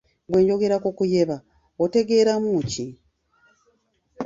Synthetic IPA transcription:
βwe̞ːɲɟo̞ɡe̞ɾakokuje̞βa | ote̞ɡe̞ːɾamuci

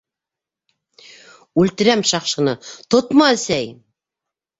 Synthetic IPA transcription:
ʉlt̪ɘ̆ɾæmʃɑqʃɤ̆nɤt̪ot̪mɑɘ̆sæj

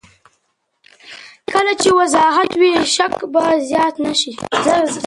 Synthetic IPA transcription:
kəlat͡ʃewazɑɦat̪wiʃakbazjɑt̪naʃiz

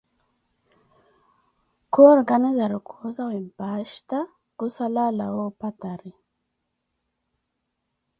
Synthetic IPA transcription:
koːɾɡanizaɾukʰozawimpaːʃt̪a | ɡ̥usalalawopat̪aɾi

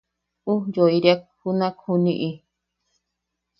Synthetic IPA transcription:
ũjoiɾiak̚hunãkhunĩʔĩ

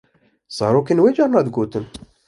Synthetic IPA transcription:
sˤɑɾukənwid͡ʒɑɾˤnɑd̪ɡut̪ən

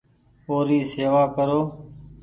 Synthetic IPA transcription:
oːɾiːseːʋaːkəɾoː

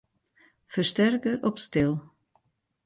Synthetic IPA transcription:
fəɹstɛrkəɾɔpstɪlˠ

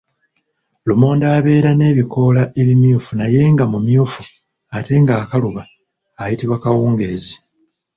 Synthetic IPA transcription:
lumo̞ːndaːβe̞ːɾane̞ːβiko̞ːlaʔe̞βimjuːfunaje̞ŋɡamumjuːfu | ate̞ŋɡaːkaluβaː | jitiβwakawuːŋɡezi̥

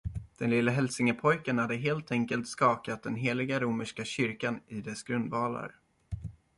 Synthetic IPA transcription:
d̪̥ɛnlɪlːəɦɛlsɪŋəpʰɔjkənhad̪ːəɦeːlt̪ʰɛŋkəlt̪skɑːkat̪̚d̪ɛnɦeːlɪɡaɾuːməʂkaɕʏɾkanɪd̪ɛsɡɾɵnd̪vɑːla̰ɾ

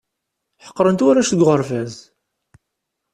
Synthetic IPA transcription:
ħə̥qːɾˤənt̪waɾæʃθəɡʷʁəɾfæz

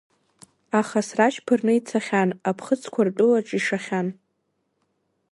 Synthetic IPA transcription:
aχasraʃpʰɨrnɨit͡sʰaχʲanapʰχət͡sʰkʷʰartʷʼʊlaʈ͡ʂʼiʂaχʲan

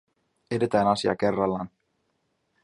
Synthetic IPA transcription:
edet̪æːnɑsiɑ̰ke̞rːɑlːɑːn

